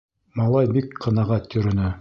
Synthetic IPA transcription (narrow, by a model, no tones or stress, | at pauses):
mɑlˠɑjbikqɤ̆nɑʁæt̪jɵ̆ɾɵ̆nɘ